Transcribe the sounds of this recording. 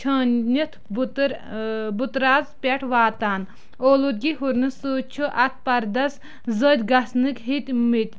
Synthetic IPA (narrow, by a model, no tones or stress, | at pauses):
t͡ʃʰəːnnʲit̪ʰbt̪ɾbut̪ɾaːzpʲɛʈʰʋaːt̪aːn | oːlut̪̚ɡiɦuɾnɨsuːt͡ʃʰuʔɐt̪̚ʰpɐɾd̪ɐs | zəd̪ʲɡɐsnɨkɦit̪ʲmit̪ʲ